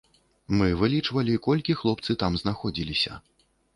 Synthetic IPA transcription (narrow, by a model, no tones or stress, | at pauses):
mɨvɨlʲit͡ʂvɐlʲikɔlʲkʲixlˠɔp̚t̪sɨt̪amznaxɔd͡zʲilʲisʲɐ̰